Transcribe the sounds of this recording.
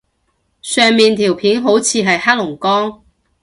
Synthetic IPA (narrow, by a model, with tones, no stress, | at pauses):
sœː˨ŋmiː˨nt̪ʰiː˨˩wpʰiː˨˥nɦo˨˥wt͡sʰiː˨˧ɦɐ˨jhaː˥lʊ˨˩ŋkɔː˥ŋ